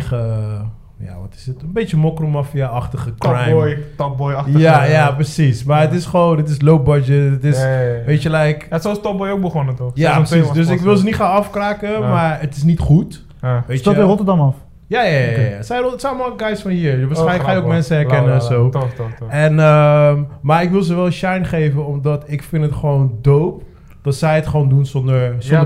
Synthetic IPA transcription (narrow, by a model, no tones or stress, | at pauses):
ə | ja̰ʋɔtɪ̥sətənbejtəmɔkrɔmɑfijawɑχtəχəkrajmjtɔp̚bɔjɑjajaprəsismaːɹətɪsχəʋondɪtɪslow̚bɑd͡ʒətətɪsʋejtəlɛjksostɔp̚bɔjowk̚bəχɔnətojaəsisdøsɪkʋɪlˠsənitχanɑfkraːkəmaːɹətɪs̬nitχut | ʋeːjarɔtəɹdɑmɑf | jaːjajjja̰sɛjtsɛjlmɔlɡɛjsfɔnɦiːɹʋaːsɛjləkxχaːjowkmɛnsəɛɹkɛnəɛnsow | ɛnəmmaːɹɪkʋɪlˠzəʋɛlˠənʃɛjnχejvənɔmdɑtɪkfɪntətχəʋowndowp̚ | d̥ɑtsɛjətχəʋoːndunsɔndəɹsɔn